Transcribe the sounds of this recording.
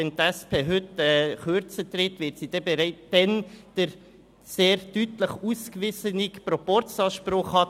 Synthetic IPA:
ɛnt̪æspʰeːɦʏtɛːχøɾt͡sət̪rɪtvɪːɾtsidɛbeɾɛɪtd̥ɛnd̥əɾ | seːɾtytləχuskʋɪsənikpɾɔpɔɾt͡sɑːʃpɾʊχhɑt

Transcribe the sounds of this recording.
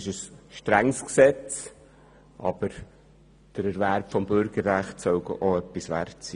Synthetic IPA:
ɪʃəsʃtɾæŋsksɛt͡s | ʔɑ̰b̥əɾ | d̥əɾɛɾʋæɾpfɔmbʏɾɡ̥əɾːæχtsœʊɡə̰ʔoœpːisʋæ̰rtt͡siː

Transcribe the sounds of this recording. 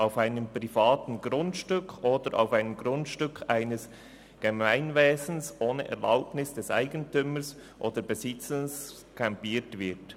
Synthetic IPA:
ʔaʊfaɪnəmpɾ̥ifɑːtn̩ɡɾʊntʃtʏkʰoːdəɾʔa̰ʊfaɪnəmɡ̥ɾʊntʃtʏkʰaɪnəs | ɡ̥emaɪnveːzn̩sʔoːnə̰ʔɛ̰ʁla̰ʊpnɪsd̥ɛsʔa̰ɪɡən̩tʏməsʔoːdəbezɪt͡səns | kʰampiːtvɪt

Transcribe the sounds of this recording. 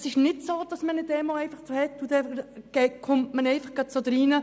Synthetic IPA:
sɪʃnɪtsoːd̥ɑsmənɪdɛːmoɛɪnfɑχt͡sohɛt̪ːʊd̪ɛɡ̥ɛkʰʊmtmənɛɪfɑχɡ̥ɑt̚t͡sod̪̥ɾiːnə

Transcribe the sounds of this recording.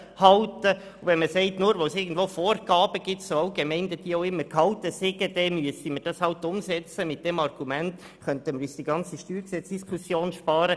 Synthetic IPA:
hɑltə | uvɛnməsɛɪtnuːɾʋosɪːɡən̩d̥̪ʋoːfoːrɡ̥ɑːb̥əɡ̥ɪtsoaʊɡ̥emɛɪndəd̥iəoʊɪmːəɾkʰhɑltəsɪɡəd̥ɛmyəsiməɾd̥ɑshɑltʊmsɛt͡səmɪt̚d̥ɛmɑrɡ̥umɛnt | χœntəməɾyːsd̥iɡɑnt͡siʃtyːɾksɛt͡sd̥iskʰusjoːnʃpɑːɾə

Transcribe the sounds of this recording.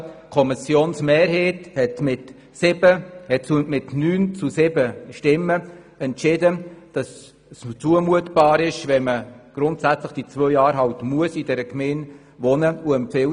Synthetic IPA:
kʰɔmɪsjoːnsmeːɾɦeːthɛtmɪt | sɪbəhɛtumɪtnyːnt͡susɪbəʃtɪmːə | ɛntt͡ʃɪdəd̥ɑs | t͡suəmuətb̥ɑːɾɪʃvɛməɡ̥ɾʊntsæt͡sləχd̥it͡sʋœjjɑːɾɦɑʊtmuəsidɛɾəkmeːn | vɔnəuɛmpfɪ

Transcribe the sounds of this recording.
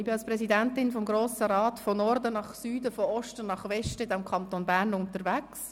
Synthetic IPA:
bɪɑlsprɛsidɛntɪnfɔmɡɾoːsəɾɑːtfɔnɔɾdənɑχsyːdəfɔɔʃtənɑχʋɛʃtəɪdɛmkʰɑnt̪onbæɾnʊntəɾʋæks

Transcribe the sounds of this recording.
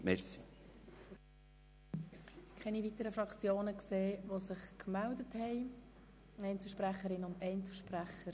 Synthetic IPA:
mɛɾsi̥ | kʰχɛnivitəɾəfɾɑkt͡sjoːnəkseːʋosɪχkmældəthɛɪ | ɛɪnt͡sl̩ʃpɾæχəɾɪnːʊndɛɪnt͡sl̩ˠʃpræχːəɾ

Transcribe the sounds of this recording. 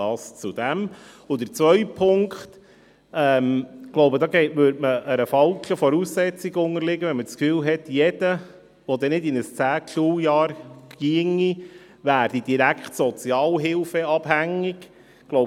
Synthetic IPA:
ɑːst͡sud̥̪æm | ʊd̥̪əɾt͡sʋœʏpʰːʊŋkχt | ɛmɡ̥loʊbədɑːɡɛɪtʋøɾdməʔəɾəfɑlkəfɔɾuːsːɛt͡siɡʊŋəɾlɪɡ̥əʋɛnmət͡skfyːlɦɛtjɛd̥ə | ʋɔd̪ɛnɪdɪnəst͡sæːkʰʃuːjɑːɾɡ̥iəŋi | ʋæːɾd̥idiɾækχtsɔt͡sjɑːlɦɪlfɛɑb̥hæŋːiɡ | ɡ̥lo

